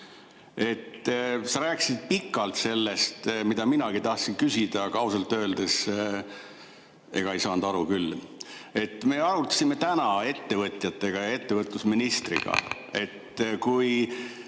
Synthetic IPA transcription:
e̞t̪sɑɾæːkːˑsid̪̥̚pikːˑɑlt̪se̞lːe̞st̪mid̪ɑminɑɡit̪ɑht̪sinkysʲid̪̥ɑkɑusɑlt̪ːø̞ːld̪es | e̞̰ɡ̥ɑejsɑːnd̪̥ɑɾukylːe̞t̪ːme̞ːɑɾut̪ːˑɑ̥sime̞t̪ænɑe̞t̪ːe̞vɤt̪ʲˑjɑt̪ːe̞ɡ̥ɑjɑe̞t̪ːe̞vɤt̪ːˑusminist̪rḭɡ̥ɑ̰ | e̞t̪kuj

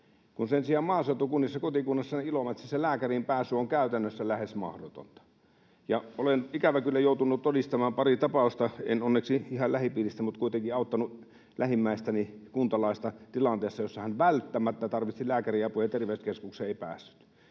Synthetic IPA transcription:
kunsensiɑːmmɑːset̪ːukunːisːɑkot̪ikuːnːɑsːɑniilomɑt̪siselæːkærimpæːsˑyoŋkæˑyt̪ænːøsːælæhesmɑ̰hdo̰t̪o̰nt̪ɑ̥ | jɑʔolenikæʋækylːæjoˑut̪unːut̪t̪odist̪ɑmɑːmpɑrit̪ɑpɑˑust̪ɑḛnonːeksiihɑlæhipiːlist̪æmut̪kuit̪eŋkiɑˑut̪ːɑnu | læhimːæˑist̪ænikunt̪ɑlɑˑist̪ɑt̪ilɑnt̪eːsːɑjosːɑhænʋælt̪ːæmæt̪ːæt̪ɑrʋit̪ilæːkæriæpuhet̪erʋeˑyskeskukseːeˑipæ̰ːsːy̥t̪

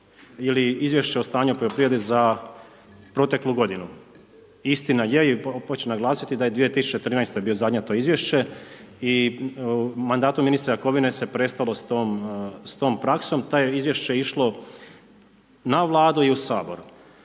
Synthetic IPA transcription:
iliizʋje̞ʃt͡ɕe̞ost̪aːɲupoʎʲopɾijed̪eza | pɾo̞t̪e̞klˠuɡo̞d̪inu | ist̪inaje̞ipot͡ɕenaɡlˠaːsit̪id̪ajed̪ʋije̞t̪isu̥t͡ɕet̪ɾiːnajst̪ebio̞zad̪ɲat̪o̞izʋje̞ʃt͡ɕe̞ | i | mand̪aːt̪uminist̪ɾejako̞ʋinese̞pɾe̞st̪alo̞st̪omst̪o̞ːmpɾakso̞mt̪ajeizʋje̞ʃt͡ʃejiʃlˠo̞ | naʋlˠaːd̪uiusaːbo̞ɾu

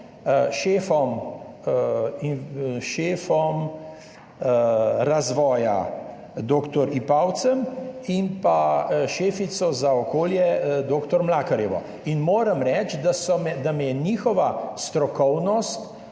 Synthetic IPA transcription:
ʃeːfɔm | iʃeːfɔm | ɾazʋɔːja̰ | d̪oːkt̪ɔɾipawt̪səmimpaʃeːfit̪sɔzaɔkoːljɛd̪oːkt̪ɔɾmlakɐɾjɛʋɔ̰ | inmoːɾɐmɾɛt͡ʃd̪asɔmɛd̪amɛjɛniːxɔʋast̪ɾɔkɔwnɔst̪

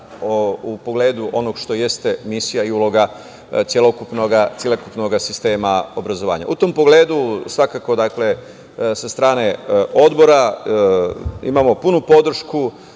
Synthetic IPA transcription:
oupo̞ɡle̞ːd̪uʔo̞noɡʃt̪o̞je̞st̪e̞misijaiulo̞ɡa | t̪sjelo̞kupnoɡasjelokupno̞ɡasist̪e̞ːmaobɾazo̞ʋa̰ːɲa̰ʔut̪o̞mpo̞ɡle̞ːd̪usʋakako̞d̪akle̞ | sast̪ɾaːne̞o̞d̪bo̞ɾa | ḭmamo̞punupo̞d̪r̩ʃku

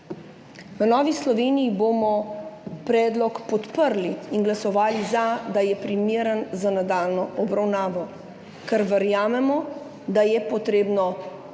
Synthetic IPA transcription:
ʋənɔːʋislɔʋeːnijibomɔpɾɛːd̪lɔkpɔt̪pəɾliːnɡlasɔʋaːlizad̪ajɛpɾimeːɾənzanad̪aːlnɔʔɔbɾawnaːʋɔ | kɛɾʋəɾjaːmɛmɔ | d̪ajɛpɔt̪ɾeːbnɔ

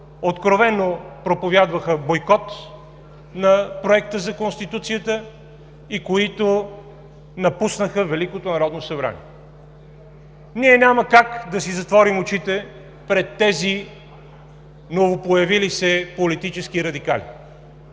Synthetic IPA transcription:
ot̪kɾovɛnːopɾopovʲjad̪vəxəbojkɔt̪ | nɐpɾoɛkt̪əzɐkonst̪it̪ut̪sijət̪ə | ikoit̪o | nɐpusnəxəvɛlikot̪onɐɾɔd̪nosɐbɾa̰nḭɛ | niɛnʲaməkakd̪ɐsizɐt̪vɔɾimot͡ʃit̪ɛ | pɾɛt̪ːɛzi | novopojɐvilisɛpolit̪it͡ʃɛskiɾɐd̪ika̰lḭ

